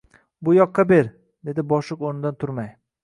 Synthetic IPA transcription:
bʊjɒqːɑbeɾ | d̪e̞d̪ɪbɒʃɪqoɾnɪd̪ant̪ʰʊɾmaj

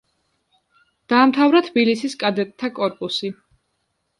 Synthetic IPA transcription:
d̪̥aːmt̪ʰavɾat̪ʰbilisiskʼad̪ɛt̪ʼt̪ʰːakʼɔɾpʼusi

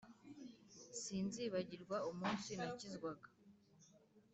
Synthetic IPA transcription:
siːnziːβaɟiɾɡwaumuːnsinicizɡwaɡḁ

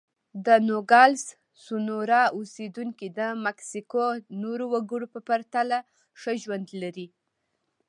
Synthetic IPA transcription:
d̪ənoɡɑls | sunoɾɑosed̪uŋkid̪əmaksikonoɾowaɡəɽopəpaɾt̪ala | ʂəʒwand̪laɾi

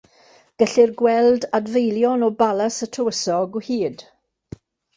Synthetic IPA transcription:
ɡ̥əɬɪrɡwɛldadvejlˠjɔnɔbalˠasətʰəwəsɔɡɔhiːd̥

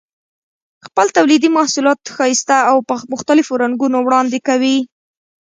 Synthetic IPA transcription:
xpəlt̪awlid̪imɑhsulɑt̪xɑjst̪aawpəmʊxt̪alɪfoɾaŋɡunowɽɑnd̪ekawi

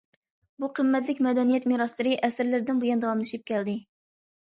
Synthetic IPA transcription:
buqʰəmːɛt̪lɪkʲmɛd̪ɛnijɛt̪miɾɑslˠɨɾɨʔɛsɪɾlɪɾɪd̪ɪnbujɑnd̪ɑwɑmlˠɨʃip̚kʲɛld̪ɪ

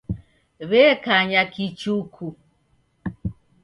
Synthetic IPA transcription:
βɛkaɲakit͡ʃukʰu

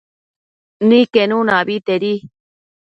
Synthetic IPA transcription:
nĩkenũnãβit̪eɾi

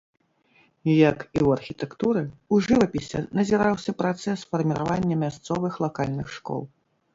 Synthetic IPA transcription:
jɐkiwɐrxʲit̪ɛkt̪uɾɨuʐɨvɐpʲisʲɛ̰nɐzʲiɾawsʲɐpɾat̪sɛsfɐrmʲiɾa̰vanʲːɐmʲast̪sɔvɨxlˠakalʲnɨxʂkɔ̰lˠ

